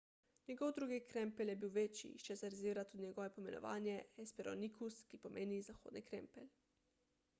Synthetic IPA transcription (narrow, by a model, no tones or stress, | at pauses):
njɛɡɔwd̪ɾuːɡikɾɛmpɛljɛbiwʋet͡ʃḭʃt͡ʃɛsɛɾziːɾat̪ud̪iɲʲɛɡɔːʋɛpomɛnɔ̰ʋa̰ːnjɛɛspɛɾo̰nikʰuskipomʔeːnizaxoːd̪nikɾɛ̰mpɛl